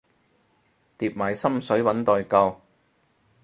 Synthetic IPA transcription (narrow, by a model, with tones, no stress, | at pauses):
t̪iː˨p̚maː˨˩jsɐ˥msɵ˨˥ɥwɐ˨˥nt̪ɔː˨jkɐ˧w